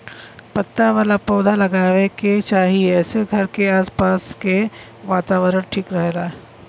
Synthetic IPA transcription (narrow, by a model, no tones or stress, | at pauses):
pɐt̪ːaʋaːlapɔːd̪ʱalɐɡaːʋeket͡ʃaːɦiɛːseɡʱɐɾkeaːspaːske | ʋaːt̪aːʋəɾəɽʈʰiːkɾɐɦeːɡaːɦɛ